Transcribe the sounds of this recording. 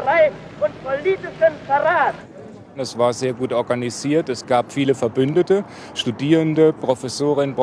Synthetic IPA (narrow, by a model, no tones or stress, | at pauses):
ʁaɪn | ʔʊnt̚pʰoliːtɪʃənfɐʁaːt | ɛsv̥aːɐzeːɐɡuːtʔɔɐɡaniziːɐtɛsɡ̥aːpfiːləfɛɐbʏndətə | ʃtudiːʁəndəpʁ̥ofɛsoːʁɪnb